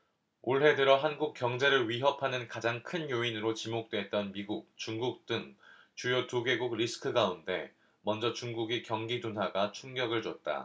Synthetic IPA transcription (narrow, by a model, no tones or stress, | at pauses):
oɭɦe̞dɯɾʌɦanɡuk͈jʌŋd͡ʑe̞ɾɯɭɥiɦʌpʰanɯnkad͡ʑaŋkʰɯnjoinɯɾot͡ɕimok̚t͈we̞t̚t͈ʌnmiɡuk̚t͡ɕuŋɡuk̚t͈ɯŋ | t͡ɕujotuɡe̞ɡuɡɾisʰɯ̥kʰɯɡaunde̞̰ | mʌnd͡ʑʌt͡ɕuŋɡuɡikjʌŋɡidonɦwaɡat͡ɕʰuŋɡjʌɡɯɭd͡ʑʌt̚t͈a̰